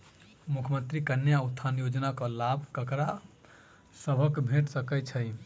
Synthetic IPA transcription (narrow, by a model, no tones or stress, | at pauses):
mukʰmə̃nt̪ɾikənːjaut̪ʰːanjod͡ʒnakɔlabʱkəkɾa | səbʱəkbʱeʈsəkɛt͡ʃʰəj